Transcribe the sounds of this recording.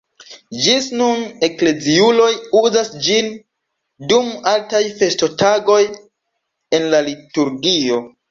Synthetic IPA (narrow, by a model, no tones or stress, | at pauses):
d͡ʒisnune̞kle̞ziulo̞juzasd͡ʒin | dumaltajfe̞sto̞taɡo̞j | e̞nlalituɾɡio̞